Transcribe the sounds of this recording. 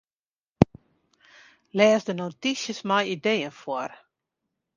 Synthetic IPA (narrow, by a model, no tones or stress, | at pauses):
lɛːsdənotisjəsmajideːənfwɔr